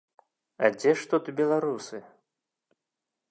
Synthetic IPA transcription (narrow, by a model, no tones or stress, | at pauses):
ɐ̰d͡zʲɛʂt̪ut̪ubʲɛlˠaɾusɨ